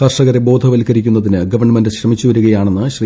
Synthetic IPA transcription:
kɐrʂɐɣɐɾebo̞ːd̪ʱɐʋɐlkɐɾikʲːunːɐðinɨɡɐʋɐrɳːɐmendɨɕrɐmit͡ɕːuʋɐɾuɣɐjaːɳenːɨɕri

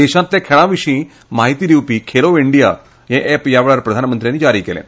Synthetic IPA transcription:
eːʃãnt̪lẽkʰeɭãːʋiʂĩ | maːɦit̪iɾiupikʰeːloʋeɳɖijaː | jẽʔeːpjaːʋɭaːɾpɾɐd̪ʱaːnəmənt̪ɾijaːnːid͡ʒaːɾikeːlḛːn

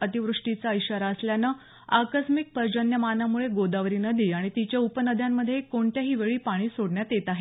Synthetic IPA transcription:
ət̪iʋɾuʂʈit͡saəjɕaɾaəsljanə | akəsmik̚pəɾd͡ʑənjəmanamuɭeɡod̪aʋɾiːnəd̪ʱiːaɽ̃it̪it͡ɕjaupənəd̪ʱjamːəd̪ʱːjekoɳt̪jaɦiːʋeɭiːpaɽ̃iːsoɽɳjat̪jet̪aɦe

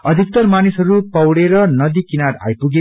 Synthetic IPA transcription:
ʌd̪ʱik̚t̪ʌɾmanisɦʌɾupʌwɽeɾʌnʌd̪ikinad̪a̰jpuɡe

